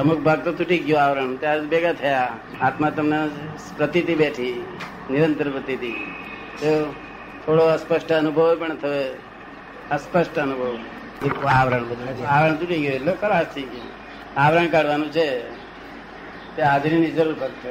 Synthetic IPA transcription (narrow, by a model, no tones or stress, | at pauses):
əmuk̚ʰbʱaɡ̚t̪ot̪uʈiɡjoaʋɾaɳt̪jabeɡat̪ʰəja | at̪mat̪əmna | pɾət̪it̪ibeʈʰiː | nɪɾənt̪əɾpɾət̪it̪i | t̪o | t̪ʰoɽoəspəʃʈəənubʱəʋpəɳt̪ʰəe | əspəʃʈəənubʱəʋ | aʋɾaɳbəd̪aʋɾaɳt̪uʈiɡjoelokʰəɾast̪ʰid͡ʒjo | aʋɾaɳkaɽʋanũt͡ʃʰe | t̪eaːd͡ʒɾinid͡ʒəɾuɾbʱaɡ̚t̪ʰə